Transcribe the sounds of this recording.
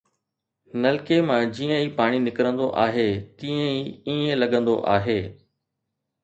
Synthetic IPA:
nɐlɪkemãd͡ʑiːə̃iːpaːɽ̃inɪkɾə̃nd̪oʔaːɦet̪ĩːə̃iːiːə̃lɐɠə̃nd̪o̰ʔaːɦeː

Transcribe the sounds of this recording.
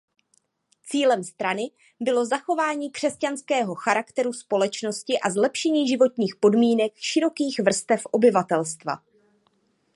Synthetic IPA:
t͡siːlɛmst̪ɾanɪ | bɪlozaxo̞vaːɲiːkr̥ɛscanskɛːɦo̞xaɾakt̪ɛɾuspo̞lɛt͡ʃno̞scɪʔazlɛpʃɛɲiːʒɪvo̞t̪ɲiːxpo̞dmiːnɛkʃɪɾo̞kiːxvr̩st̪ɛfʔo̞bɪvat̪ɛlst̪va̰

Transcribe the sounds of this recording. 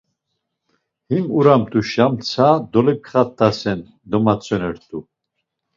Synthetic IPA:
himuɾamt̪ʼuʃamt͡sʰad̪ɔlɛkʰχat̪ʼːasɛn | d̪ɔmat͡sʰʼɔnɛɾt̪ʼu

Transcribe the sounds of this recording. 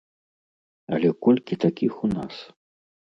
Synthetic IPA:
ɐ̰lʲɛkɔlʲkʲit̪akʲixuna̰s

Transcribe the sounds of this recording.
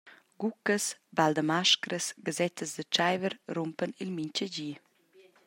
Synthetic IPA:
ɡ̥ukəsbald̪əmaʃkɾəsɡazɛt̪ʰəzd̪ət͡ʃajvəɾrumpənilmiɲcəɟiː

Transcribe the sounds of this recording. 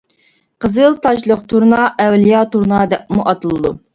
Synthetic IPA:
qəzɨlˠt̪ʰɑʃlˠəqt̪ʰuɾnɑʔɛwlijɑt̪uɾnɑd̪ɛp̚muʔɑt̪ɨlˠɨd̪u

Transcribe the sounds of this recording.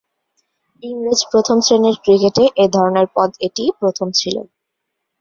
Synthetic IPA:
iŋɾed͡ʑpɾot̪ʰomtɾeneɾkɾikeʈeʔed̪ʱɔɾoneɾpɔd̪eʈipɾot̪ʰomt͡ɕʰilo̰

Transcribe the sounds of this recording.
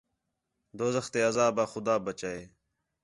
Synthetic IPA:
d̪oːzəxt̪eːɐzaːbaːxʊd̪aːbət͡ɕaːeː

